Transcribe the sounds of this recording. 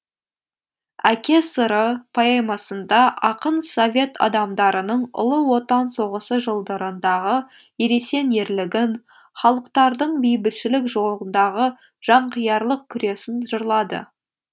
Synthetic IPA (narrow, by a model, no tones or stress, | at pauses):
ækʲe̞səɾəpʰɑjɑjmɑsənd̪ɑʔɑqənso̞vʲe̞t̪ɑ̰d̪ɑmd̪ɑɾənəɴʊ̰lˠəwo̞t̪ɑnso̞ʁəsəʒəlˠd̪əɾənd̪ɑʁə | eɾe̞se̞ne̞ɾlɪɡʲɪn | χɑlˠəqt̪ɑɾd̪əɴbijbɪlʃɪlɪkʒo̞lˠənd̪ɑʁə | ʒ̥ɑɴqʰijɑɾlˠəq̚kʲʰʏɾe̞sɪnʒ̥ʊɾlˠɑd̪ə̰